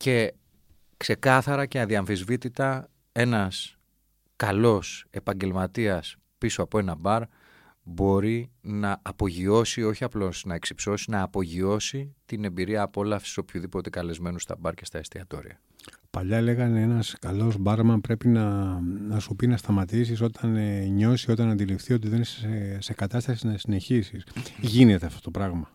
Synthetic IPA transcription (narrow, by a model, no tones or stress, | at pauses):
ce̞ | kse̞kɐθɐɾɐce̞ɐðiɐɱθizvit̪it̪ɐ | e̞nɐs | kɐlo̞se̞pɐɲɟe̞lmɐt̪iɐs | pisoɐpoe̞nɐbɐɾ | bo̞ɾinɐʔːpo̞ʝio̞sio̞çiɐplo̞snɐe̞ksipso̞sinɐːpo̞ʝio̞sit̪ine̞mbiɾiɐːpo̞lɐfsi̥so̞pçuðipo̞t̪e̞kɐle̞zme̞nust̪ɐ̰bɐɾce̞st̪ɐest̪iɐt̪o̞̰ɾḭɐ̰ | pɐʎɐle̞ɣɐneenɐskɐlo̞zbɐɾmɐpɾe̞pinɐnɐsupinɐst̪ɐmɐt̪is̬iso̞t̪ʰɐnɲo̞sio̞t̪̬ɐnɐnd̪ilifθiot̪̬iðenisese̞kɐt̪ɐst̪ɐsinɐsine̞çisisʝinet̪e̞ɐft̪o̞t̪o̞pɾɐɣmɐ